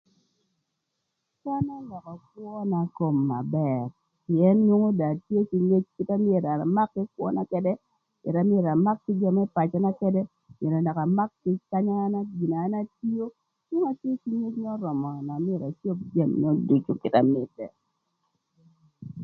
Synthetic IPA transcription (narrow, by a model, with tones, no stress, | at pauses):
ka˦na˦lɔ˨kɔ˨k̚wɔ˦na˨ko˨mːa̰˨bɛ˨ɾ | pi˨ɛ˦nɲo˦ŋo˦da˨tje˦ki˦ɲe˦t͡ʃkɪ˦ta˦mɪ˦e˨ɾa˨ma˦kːɪ˦kwɔ̰˦na˦kɛ˦dɛ˦ | pɛ̰˨ɾa˨mɪ˦e˨ɾa˨ma˦kkɪ˦d͡ʒa˦˨mɛ˦pa˨t͡ʃɔ˨na˦kɛ˦dɛ˦ | me˨ɾɔ˨na˨ka˨ma˦kːɪ˦ka˦ɲaː˦na˦ɡi˨naː˨˦na˦ti˦jo˦ | ɲo˦ŋa˨tje˦ki˦ɲe˦t͡ʃŋɛ˦ɔ˦ɾɔ˨mɔ˨na˨m˦e˨ɾa˨t͡ʃo˦p̚d͡ʒa˦˨mŋɛ˦ɔ˦du˨t͡ʃo˦kɪ˨ta˨mɪ˨tɛ̰˨